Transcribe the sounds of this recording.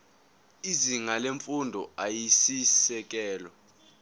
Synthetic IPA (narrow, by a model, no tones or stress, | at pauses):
iziŋaleɱfundʱɔajisisɛk̬ɛːlɔ